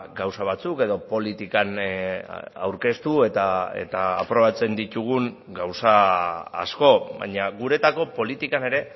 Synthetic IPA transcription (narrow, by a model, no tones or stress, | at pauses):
ɡawsaβat͡suke̞ðo̞po̞lit̪ikan | a̰wɾke̞st̪ue̞t̪ae̞̰t̪aːpɾo̞β̞at͡se̞nd̪it̪uɣ̞uŋ | ɡawsa̰ː | sko̞βa̰ɲaɣuɾe̞t̪ako̞po̞lit̪ikane̞ɾe̞